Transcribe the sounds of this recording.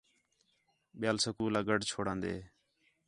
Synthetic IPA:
ɓɪjaːlsəkuːlaːɡəɖt͡ʃʰoːɽãːnd̪ḛː

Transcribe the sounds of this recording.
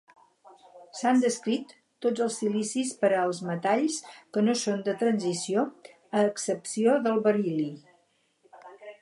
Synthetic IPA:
sand̪əskɾit̪ː | ozəlˠsilisispəɾəːlˠzmət̪aʎskənosond̪ət̪ɾənzisio | əːksəpsioðəlˠβəɾili

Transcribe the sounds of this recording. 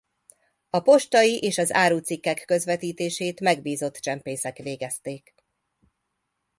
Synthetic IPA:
ɒpo̞ʃt̪ɒjiʔeːʃɒza̰ːɾuːt̪sikːɛkːø̞zʋɛt̪iːt̪eːʃeːt̪mɛɡbiːzo̞t̪ːt͡ʃɛmpeːsɛkʋeːɡɛst̪eːk

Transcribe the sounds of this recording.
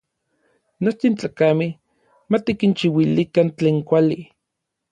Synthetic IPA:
not͡ʃt̪int͡ɬakameh | mat̪ikint͡ʃiwilikant͡ɬeːŋkʷali

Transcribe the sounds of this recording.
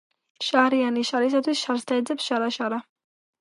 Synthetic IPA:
ʃaɾianiʃaɾis̬at̪ʰwisʃaɾst̪ʰaɛd̪zɛpsʃaɾaʃaɾa

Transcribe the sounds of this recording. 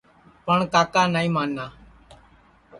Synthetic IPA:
pəɳkaːkaːnaːĩːmaːnːaː

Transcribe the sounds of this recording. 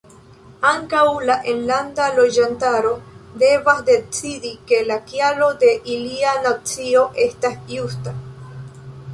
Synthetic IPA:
aŋkawlaʔenlandalo̞d͡ʒantaɾo̞de̞vasde̞t͡sidike̞lakjalo̞de̞ʔilianat͡sio̞ʔe̞stasjusta

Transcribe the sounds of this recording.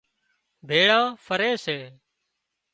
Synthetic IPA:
bʱeːɽãːfʰəɾeːseː

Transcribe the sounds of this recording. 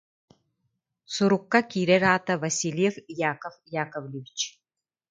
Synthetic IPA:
suɾukːɐkʲiːɾɛɾaːt̪ʰɐvɐsʲilʲjefjaːkɐfjaːkɐvlʲɪvʲit͡ʃʰ

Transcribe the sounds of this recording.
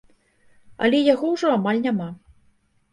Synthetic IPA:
ɐ̰lʲɛjaɣɔwʐɔamalʲnʲama

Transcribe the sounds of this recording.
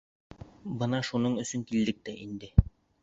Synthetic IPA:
bɤnɑʃunɤɴɵ̆sɵŋkild̪ɘk̚t̪æʔind̪ɘ

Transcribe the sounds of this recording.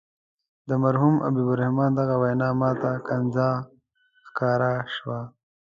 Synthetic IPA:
d̪əmaɾɦumʔa̰bibʊɾahmɑːnd̪aɣawajnɑːmɑːt̪akanzɑ | xkɑːɾaʃwa

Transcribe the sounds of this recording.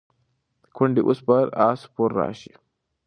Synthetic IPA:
kʰʊndiʔuspaɾasu̥pɔɾːa̰ːʃi

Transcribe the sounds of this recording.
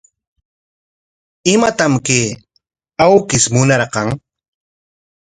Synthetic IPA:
ɪmat̪amkeː | awkɪsmʊnɑɾqɑŋ

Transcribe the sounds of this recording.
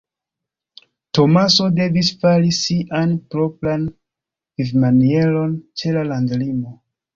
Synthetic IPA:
to̞maso̞de̞visfalisiʔanpɾopɾan | vivmanie̞lo̞nt͡ʃe̞lalandlimo̞

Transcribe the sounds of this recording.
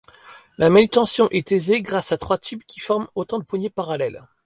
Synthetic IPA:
lamanyt̪ɑ̃sjɔ̃ʔɛt̪ezeɡʁasat̪χwat̪ʰybkʲifɔʁmot̪ɑ̃d̪əpwaɲepaʁalɛl

